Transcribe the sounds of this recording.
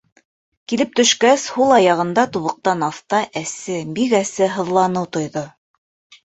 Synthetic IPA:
kilɘp̚t̪ɵ̆ʃkæshulˠɑjɑʁɤ̆nd̪ɑt̪uβɤ̆q̚t̪ɑnɑθt̪ɑʔæsɘbikæsɘɦɤ̆ðlˠɑnɤwt̪ŏjðɤ

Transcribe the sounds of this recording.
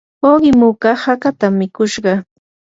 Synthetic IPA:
oɢɪmʊkɑhakat̪amːɪkʊʃɢɑ

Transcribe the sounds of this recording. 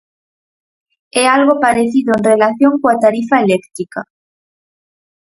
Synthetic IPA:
ɛalɣopaɾeθiðoẽnrelaθjoŋkoat̪aɾifaelekt̪ɾika

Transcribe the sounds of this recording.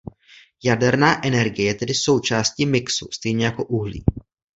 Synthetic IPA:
jadɛɾnaːʔɛnɛɾɡɪjɛjɛt̪ɛdɪso̞wt͡ʃaːsciːmɪksust̪ɛjɲɛjako̞ʔuɦlḭː

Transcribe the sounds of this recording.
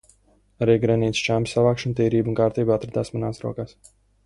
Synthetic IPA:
aɾiːɡɾɛniːt̪st͡ʃaːmsavaːkʃunt̪iːɾiːbunkaːɾt̪iːbat̪ɾad̪aːsmanaːsɾuɔkaːs

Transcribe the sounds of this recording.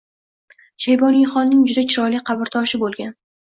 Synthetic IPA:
ʃajbɒnijχɒnːɪŋd͡ʒʊd̪at͡ʃʰɪɾɒjliqʰɑbɪɾt̪ʰɒʃɪbolˠɡʲan

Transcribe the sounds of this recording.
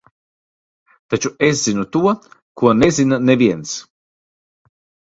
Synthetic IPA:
t̪at͡ʃueszinut̪uɔkuɔnezʲinaneviɛns

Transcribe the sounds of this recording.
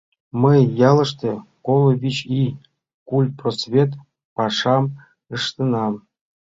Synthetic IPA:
mɤjːɑlˠɤ̆ʂt̪ĕkolˠŏβʲit͡ɕi | kul̚ʲprosvʲet̪ | pɑʂɑm | ɯʂt̪ɤ̆nɑm

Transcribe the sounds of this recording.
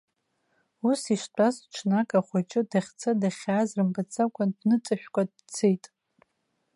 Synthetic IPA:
usiʂt͡pʷʰʼasʈ͡ʂʰnakʼaχʷat͡ʃʼɪdaχʲt͡sʰadaχʲaːzrɨmbat͡sʰakʷʰʼandnɨt͡sʼaʃᶣkʷʼad̚ | t͡sʰejtʼ

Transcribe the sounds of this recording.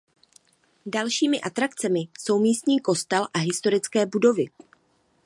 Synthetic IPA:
dalʃiːmɪʔat̪ɾakt͡sɛmɪso̞wmiːst̪ɲiːko̞st̪ɛlʔaɦɪst̪o̞ɾɪt͡skɛːbudo̞vɪ

